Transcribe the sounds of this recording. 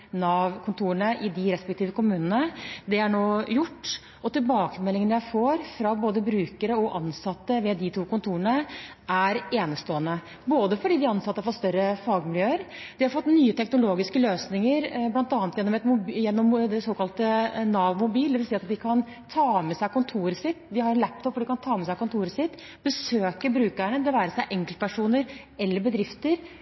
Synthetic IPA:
nɑːʋkʰʊnt̪ʰuːəɳəʔɪd̪ɪɾɛspɛk̚t̪iːʋəkʊmʉːnənəd̪ɛæɳoːjʊʈː | ɔt̪ɪlbɑːkəmɛlːɪŋənjæɪfoːɾfɾɑboːd̪əbɾʉːkəɾəɔʔɑnsɑt̪ːəʋɛd̪ɪt̪ʰuːkʊnt̪ʰuːɾəɳə | æɾeːnəst̪oːənə | boːd̪əfɔɖiːd̪ɪɑnsɑt̪ːəɑfɔt̪st̪œɾəfɑːɡmɪljøːəɾ | d̪̥ɪhɑɾfɔt̪ːnyːət̪ʰɛknʊloːɡɪskəløːsnɪŋəɾblɑnt̪ɑːnət̪jɛnːɔmɛt̪mʊjɛnːɔmd̪ɛsoːkɑlt̪ənɑːʋmʊbiːld̪ɛʋɪlsiːɑt̪d̪ɪkʰɑn | t̪ʰɑːmɛsæɪkʊnt̪ʰuːɾəsɪt̪ːd̪ɪhɑɾnlæp̚t̪ʰɔpːɔɖ̪ɪkɑnt̪ʰɑːmɛsæɪkʊnt̪ʰuːɾəsɪt̪ː | bəsøːkəbɾʉːkæɳəd̪ɛʋæːɾəsæɪʔɛŋklt̪̚pʰæʂuːnəɾ | ɛlːəɾbəd̪ɾɪft̪əɾ

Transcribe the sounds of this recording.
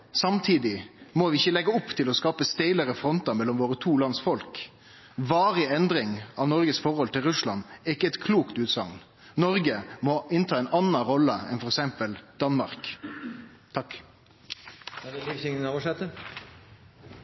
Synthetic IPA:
sɑmt̪ʰiːd̪ɪmɔʋɪɪçəlɛɡːəɔpːt̪ʰɪlɔskɑːpəst̪æɪləɾəfɾɔnt̪ɑmɛlːɔmʋoːɾət̪ʰuːlɑnsfɔlk | ʋɑːʁɪɛnd̪ɾɪŋɑʋnɔʁɡəsfɔɾhɔlt̪ɪlʁʉslɑ̰nɛɪkːəɛt̪kʰluːkt̪ʉːt̪sɑ̰ŋn | nɔɾɡəmɔʔɪnt̪ʰɑːɛɪnɑnːɑɾɔlːəɛ̰nfɔɾɛksɛmpəld̪̥ɑnmɑɾk | t̪ʰɑk | ɪsɪŋnɑʁɔʂɛt̪ə

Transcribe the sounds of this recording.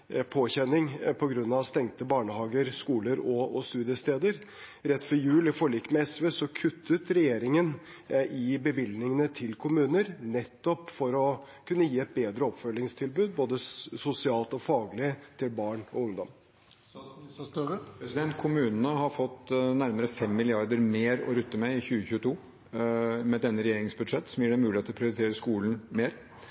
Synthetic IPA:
pʰoːçɛnɪŋpʰɔɡɾʉnːɑʋst̪ɛŋt̪əbɑːɳəhɑːɡəɾskuːləɾɔɔst̪ʉːd̪ɪəst̪eːd̪əɾ | ɾɛt̪ːfɔɾjʉːlɪfɔɭiːkːmɛɛsʋeːsɔkʰʉt̪ʰːət̪ɾɛjeːɾɪŋən | ɪbəʋɪlnɪŋənət̪ʰɪlkʰʊmʉːnəɾnɛt̪ːɔpfɔɾɔ | kʰʉnːəjiːɛt̪̚beːd̪ɾəɔpfœlɪŋst̪ʰɪlbʉːd̪̚boːd̪əsʊsɪɑːlt̪ɔfɑːɡəlɪt̪ʰɪlbɑːɳɔʊŋd̪ɔm | ppʰɾɛsɪd̪ɛnt̪̚kʰʊmʉːnən̩əɦɑɾfɔt̪ːnæɾməɾəfɛmːɪlɪɑɾd̪əɾmeːɾɔ̰ɾʉt̪ːəmɛɪçʉːəçʉːət̪ʰuː | mɛd̪ɛnːəɾɛjeːɾɪŋsbʉd̪ʂɛt̪ːsɔmjiːɖɛmʉːlɪeːt̪lɔpʰɾɪʊɾɪt̪ʰeːɾəskuːlən̩meːɾ

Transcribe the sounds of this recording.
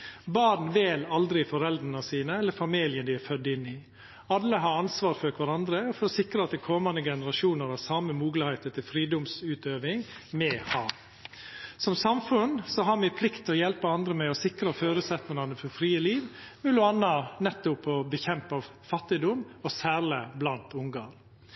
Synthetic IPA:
bɑːɾɳ̩ʋɛlɑld̪ɾɪfɔɾɛld̪ɾənɑsiːnəɛlːəɾfɑmiːlɪənd̪ɪɛfœd̪ːɪnːɪ | ɑlːəɦɑːɑnsʋɑːɾfɔɾkʰʋæɾɑnd̪ɾəɔfɔɾɔsɪkɾəɑt̪d̪ɛkʰɔmɑnd̪əɡɛnəɾɑʂuːnəɾhɑsɑməmuːɡləhæɪt̪ət̪ʰɪlfɾiːd̪ʊmsʉːt̪øːʋɪŋ | mɛhɑː | sɔmsɑmfʉnsɔɦɑɾmɪpʰlɪkt̪ʰːɪlɔjɛlpəɑnd̪ɾəmɛɔsɪkɾəføːɾʉːt̪sɛt̪nəŋɑnəfɔɾfɾiːəliːʋmʉlʊɑnːɑnɛt̪ːʊpɔbəçɛmpɑʋ | fɑt̪ːɪd̪ʊmɔsæːɾləblɑnt̪ʊŋɡɑːɾ

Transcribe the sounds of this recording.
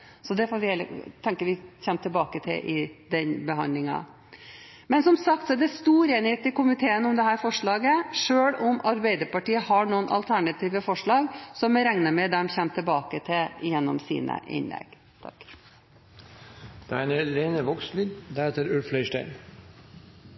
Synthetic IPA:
sɔd̪ɛfɔːɾʋɪheːlət̪ʰɛŋkəʋɪçɛnːt̪ʰɪlbɑːkət̪ʰɪ̰lʔɪd̪ɛnbəɦɑ̰nd̪lɪŋɑ̰ | mɛnsɔmsɑkt̪sɔd̪ɛst̪uːɾeːnɪheːt̪ɪkʊmɪt̪ʰeːənʊmd̪ɛɦæːɾfɔʂɭɑːɡəʂøːɽʊmɑɾbæɪd̪əɾpɑʈiːəhɑɳuːənʔɑ̰lt̪ʰæɳɑt̪ʰiːʋəfɔʂɭɑːɡsɔmɛɾɛŋnəmɛd̪ɛmçɛnt̪ʰɪlbɑːkət̪ʰɪlɪjɛnːɔ̰msḭːnə̰ʔɪ̰nlɛ̰ɡ̥ | t̪ʰɑ̰k | d̪̥ɛænɛleːnəʋɔkslyd̪d̪ɛɾheːt̪əɾʉlflœʏʂʈæɪn

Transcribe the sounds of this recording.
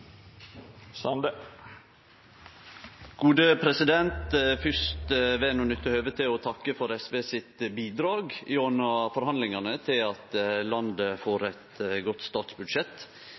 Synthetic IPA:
sɑnd̪ə | ɡ̥uːd̪əpʰɾɛsɪd̪ɛnt̪fʏst̪ʋeːnʊnʏt̪ːəhøːʋət̪ʰɪɔt̪ʰɑkːəfɔɾɛsʋeːsɪt̪biːd̪ɾɑːɡɪɔnəfɔɾhɑnd̪lɪŋɑnət̪ʰɪlɑt̪lɑnd̪əfoːɾɛt̪ɡɔt̪st̪ɑːt̪sbʉd̪ʃɛt̪

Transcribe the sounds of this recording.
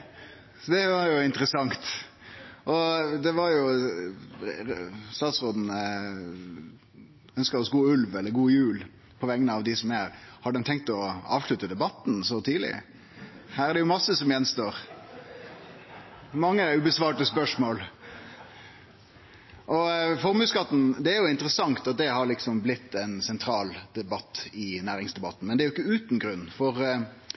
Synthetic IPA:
sɔd̪ɛʋɑɾjʊɪnt̪əɾəsɑŋt̪ | ʔɔd̪ɛʋɑɾjʊ | st̪ɑːt̪sʁoːd̪n̩ə | œnskəɾɔsɡuːʉlʋɛlːəɾɡuːjʉːl | pʰɔʋɛŋːənəɑʋd̪ɪsɔmæɾhɑd̪ədɛnt̪ʰɛŋk̚t̪ɔɑ̰ːʋʂɭʉt̪əd̪ɛbɑt̪nsɔt̪ʰiːd̪lɪ̰ | hæːɾæɖ̪ɛjʊmɑsːəsɔmjɛnːst̪oːɾ | mɑŋːəʉbəsʋɑːʈəspœʂmoːl | ʔɔfɔɾmʉːskɑt̪ːn̩d̪ɛæɾjʊɪnt̪əɾəsɑŋt̪ɑt̪̚d̪ɛhɑɾlɪksɔmblɪt̪ːɛnsɛnt̪ʰɾɑːld̪̥ɛbɑt̪ːɪnæːɾɪŋsd̪ɛbɑt̪ːn̩mɛnd̪ɛæɾjʊɪkːəʉːt̪n̩ɡɾʉnːfɔɾ

